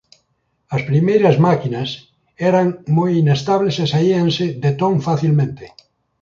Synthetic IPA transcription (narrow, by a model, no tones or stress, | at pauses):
ɐspɾimejɾazmakinas | ɛɾaŋmojinest̪aβlesesaianseðet̪õŋfaθilmẽnt̪e